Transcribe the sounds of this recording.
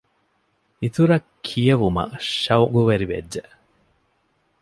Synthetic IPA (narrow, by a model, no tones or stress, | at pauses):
it̪uɾɐkʰːijɐʋumɐ̰ʃɐwɡuʋɐɾiʋḛdːe